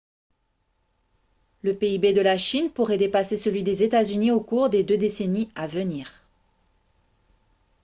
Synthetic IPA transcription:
ləpeibed̪əlaʃinpuʁɛd̪epasesəlɥid̪ezet̪azyniokuʁd̪ed̪ød̪eseniavəniːʁ

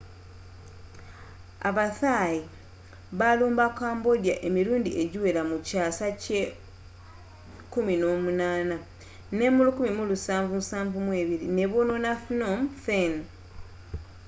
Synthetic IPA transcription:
a̰βaθaːji | βaluːmbakaːmbo̞djaʔe̞miɾuːndiʔe̞ɟiwe̞lamucaːsace | kumino̞ːmunaːna | ne̞mulukumimulusaːɱvumusaːɱvumwe̞ːβiɾine̞βononafnomfen

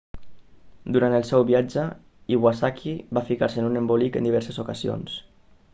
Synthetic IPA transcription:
d̪uɾant̪əlˠsɛwβiad͡ʒə | iɣwasakʰiβafikaɾseənunembolikə̰nd̪iβɛɾsəzukəzio̰ns

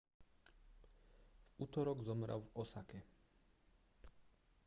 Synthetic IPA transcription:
v̥ut̪ɔɾɔɡzɔmɾʔa̰wvɔsakɛ

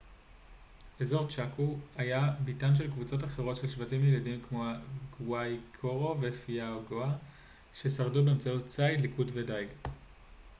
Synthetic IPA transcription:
ezo̞ʁt͡ʃakuhajabitanʃ̬e̞lkvut͡so̞taχeʁo̞tʃe̞lʃvatimjeladimkmo̞aɡwajkʰoʁo̞vefiaoɡoa | ʃe̞saʁdubeːmt͡sautt͡sajdlikudvedajɡ

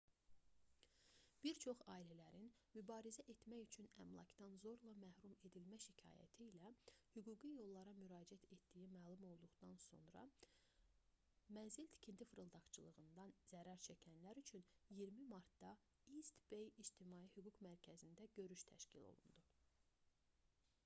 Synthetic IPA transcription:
b̥iɾt͡ʃʰo̞χɑːilælæɾinmybɑːɾizæʔe̞t̪mæjyt͡ʃʰynæ̰mlˠɑ̰cd̪ɑnzo̞ɾlˠɑmæhɾume̞d̪ilmæʃicʰɑ̰ːjæ̰t̪ʰiːlæhyɡuːɡijo̞lˠːɑɾɑmyɾɑːd͡ʒiæt̪ʰe̞t̪d̪ijimæːlˠumo̞lˠd̪uɣd̪ɑnso̞̰nɾɑ̰ | mænzilt̪ʰi̥cʰint̪ʰifɾɯlˠd̪ɑkt͡ʃʰɯlˠɯɣɯnd̪ɑnz̥æɾæɾt͡ʃʰæcʰænlæɾyt͡ʃʰynjiɾmimɑɾt̪d̪ɑ | ist̪b̥ejid͡ʒt̪ʰimɑːihyɡukmæɾcʰæzind̪æɟø̞ɾyʃt̪ʰæ̰ʃcʰilo̞̰lˠṵnd̪u

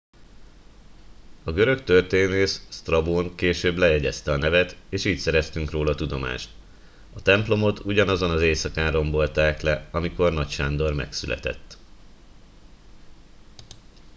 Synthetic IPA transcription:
ɒɡø̞ɾø̞kt̪ørt̪eːneːʃst̪rɒboːŋkeːʃøːblɛjɛɟɛst̪ɛɒnɛvɛt̪eːʃiːcsɛɾɛst̪yŋkroːlɒt̪ud̪o̞ma̰ːʃt̪ | ɒt̪ɛmplo̞mo̞t̪ʰuɟɒnɒzo̞nɒzeːsɒkaːnro̞mbo̞lt̪aːklɛɒmiko̞rnɒcʃaːnd̪o̞rmɛ̰ksylʔɛ̰t̪ɛ̰t̪ː

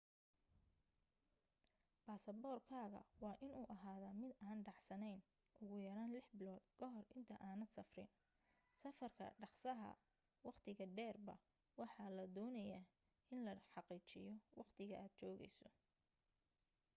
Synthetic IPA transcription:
b̥aːsɐbɔːrkʰaːɣɐ̰wɑːʔɪnuːʔɐɦaːðɐmɪd̪aːnɖɑʕsɐnɛjn | ʔʊɣʊjɐɾaːnlɪħbɪlɔːd̪kʰɔɦɔrʔɪnt̪ʰɐʔaːnɐd̪sɐfrɪ̰n | sɐfɐrkʰɐ̰ɖɑqsɐɦɐ̰ | wɑqt̪ʰɪɣɐɖɛːrbɐ̰ | wɑħɑlɐd̪ɔːnɐjaː | ʔɪnlɐħɑqiːt͡ʃɪ̰jɔwɑqt̪ʰɪɣɐʔaːd̪̥̚t͡ʃɔːɣɛ̰jsɔ

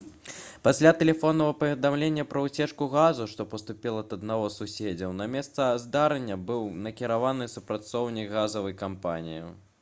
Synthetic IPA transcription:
pasʲlʲat̪ɛlʲɛfɔnːɐvɐpɐvʲɛd̪amlʲenʲːɐpɾɐwt͡sʲɛt͡ʂkuɣazuʂt̪ɔpɐst̪upʲilˠɐt̪ɐd̪naɣɔsusʲed͡zʲɐwnɐmʲɛst̪sɐzd̪aɾɐnʲːɐbɨwnɐkʲiɾavanɨsupɾat̪sɔwnʲikɣazɐvɐjkampa̰nʲḭjḭ

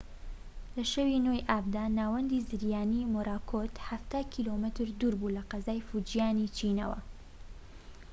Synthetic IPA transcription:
lɐʃɐwinojʔaːb̚d̪aːnaːwɐnd̪izɨɾjaːnimoɾʔaːkʰot̪haft̪aːkʰilomɨt̪ɾd̪uːɾbulɐqɐzaːjfud͡ʒijaːnit͡ʃʰinɐ̰wɐ̰

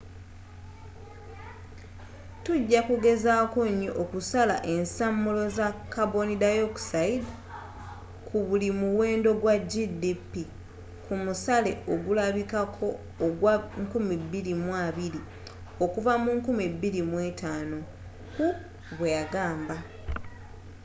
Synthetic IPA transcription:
tuɟːakuɡe̞zaːkoɲːoʔokusalaʔe̞nsamːulo̞zakːabo̞nidajoksaida | kʰuβulimuwe̞ːndo̞ɡwaɟidipːi | kumusale̞ʔo̞ɡulaβikakʰo̞ː | ɡwaŋkumibːilimwaβiɾi | o̞kuvamuŋkumibːilimwe̞ːtaːno̞ | ku | βwejaɡaːmba

